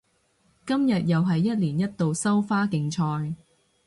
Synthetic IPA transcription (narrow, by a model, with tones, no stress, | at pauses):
kɐ˥mjɐ˨t̚jɐ˨wɦɐ˨jːɐ˥t̚liː˨˩njɐ˥t̚t̪o˨wsɐ˥wfaː˥kɪ˨˧ŋt͡ʃʰɔː˧j